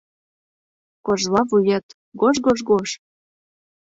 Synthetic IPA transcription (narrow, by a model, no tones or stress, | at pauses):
koʒlɑvujet̪ | ɡoʒɡoʒɡoʃ